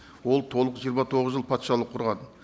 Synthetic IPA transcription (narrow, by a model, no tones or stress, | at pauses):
wo̞lˠt̪ʰo̞lˠəqʒijəɾmɑt̪ʰo̞ʁəzʒəlˠpʰɑt̪ʃɑlˠəqʰːʊɾʁɑn